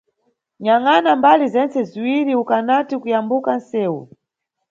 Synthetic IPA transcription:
ɲaŋanambalizɛnt͡sɛziwiɾiukanatikujambukan̩sɛːwṵ

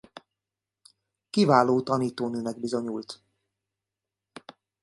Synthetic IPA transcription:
kivaːloːt̪ɒniːt̪oːnøːnɛɡ̚bizo̞ɲult̪

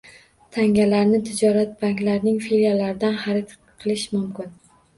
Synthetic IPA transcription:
t̪ʰaŋʲalaɾnɪt̪ʰɪd͡ʒɒɾat̪̚baŋkʲlaɾnɪŋfeɾjalaɾɪd̪anχaɾɪt̪ʰ | qʰɨlˠɪʃmʊmkʲɪn

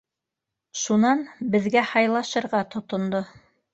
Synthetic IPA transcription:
ʃunɑnbɘ̆ðɡæhɑjlˠɑʃɤ̆ɾʁɑt̪ŏt̪ŏnd̪o

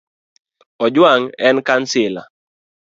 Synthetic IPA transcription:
ɔd͡ʒwaŋɛnkansɪla̰

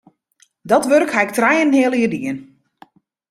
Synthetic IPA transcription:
dɔtʋørkhɛjk̚trɛjənhɪəlˠiədiən

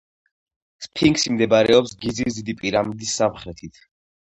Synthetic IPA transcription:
spʰiŋɡsimd̪ɛbɾɛɔpsɡizisd̪id̪ipʼiɾamid̪isːamχɾɛt̪ʰit̪ʰ

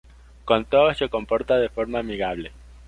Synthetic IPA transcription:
kont̪ooseko̞mpo̞ɾt̪aðefo̞ɾmaːmiɣaβ̞le

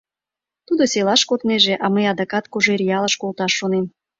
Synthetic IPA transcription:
t̪ud̪oselɑʃkot̪neʒeʔɑməjɑd̪ɑkɑt̪̚koʒeɾʲijɑləʃkolt̪ɑʃːonem

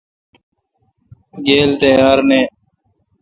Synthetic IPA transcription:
ɡeːlt̪əjaːɾneː

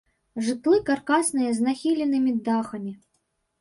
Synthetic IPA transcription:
ʐɨt̪lˠɨkarkasnɨjɐznaxʲilʲɛnɨmʲid̪axɐmʲi

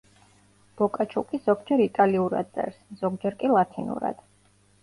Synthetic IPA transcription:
b̥ɔkʼat͡ʃʰukʼizɔɡd͡ʒɛɾit̪ʼaliuɾa̰d̪̚sʼɛ̰ɾsz̥ɔɡ̚d͡ʒɛɾkʼilˠat̪ʰinṵɾa̰d̪̥

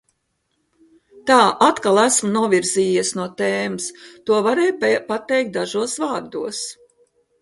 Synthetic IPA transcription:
t̪aːʔat̪kalˠæsmunuɔvʲiɾziːɛsnuɔt̪eːmɨst̪uɔvaɾɛːjpat̪ːɛjk̚t̪̚d̪aʒuɔsvaːɾd̪uɔs

